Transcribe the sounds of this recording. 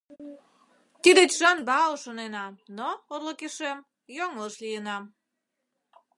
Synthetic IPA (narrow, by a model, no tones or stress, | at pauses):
t̪id̪et͡ɕʒɑnbɑoʃonenɑmnoorləkeʃem | joŋləʃlijənɑm